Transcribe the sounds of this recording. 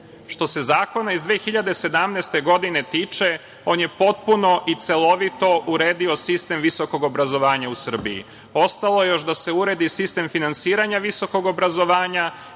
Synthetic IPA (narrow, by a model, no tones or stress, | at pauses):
ʃt̪o̞se̞zaːko̞naizd̪ʋeːxiʎad̪ese̞d̪amneːst̪e̞ɡo̞d̪inet̪iːt͡ʃe | o̞ːnje̞po̞t̪̚puno̞ʔit̪se̞lˠo̞ʋit̪o̞uɾeːd̪io̞sist̪e̞mʋiso̞ko̞ɡo̞bɾazo̞ʋaːɲausr̩biḭ | o̞st̪alo̞jejo̞ʃd̪ase̞uɾe̞d̪isist̪e̞mfinansiːɾaɲaʋiso̞ko̞ɡo̞bɾazo̞ʋaːɲa